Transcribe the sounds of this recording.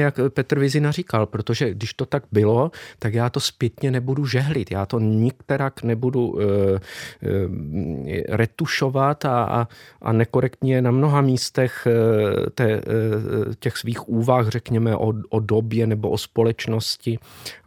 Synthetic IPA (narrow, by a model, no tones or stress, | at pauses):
jakpɛt̪r̩vɪzɪnariːkalpɾot̪o̞ʒɛɡdɪʃt̪o̞t̪aɡ̚bɪlo̞t̪akjaːt̪o̞spjɛt̪ɲɛnɛbuduʒɛɦlɪt̪jaːt̪o̞ɲɪk̚t̪ɛɾaknɛbudu | ɾɛt̪uʃo̞vat̪a̰ʔa̰nɛko̞ɾɛkt̪ɲɛjɛnamno̞ɦamiːst̪ɛx | t̪ɛː | cɛxsviːxuːvaxrɛkɲɛmɛʔoʔodobjɛnɛboʔospo̞lɛt͡ʃno̞scɪ